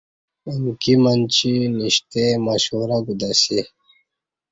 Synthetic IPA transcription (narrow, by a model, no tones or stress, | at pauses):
iŋkimɐnt͡ɕiniɕt̪emaɕuːɾaɡud̪asi